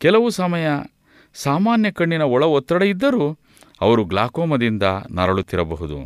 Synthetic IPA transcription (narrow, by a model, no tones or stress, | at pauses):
kɛlɐʋusɐmɐjɐ | saːmaːnjɐkɐɳːinɐɔɭɐɔt̪ːɾɐɽɐid̪ːɐɾuː | ɐ̰ʋɐɾuɡlaːkɔːmɐd̪ind̪ɐnɐ̰ɾɐɭut̪ːiɾɐbɐɦud̪ṵ